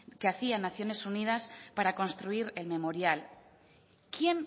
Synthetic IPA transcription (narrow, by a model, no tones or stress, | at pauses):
keaθianaθjo̞ne̞sunið̞aspaɾako̞nst̪ɾuiɾe̞lme̞mo̞ɾjal | kje̞n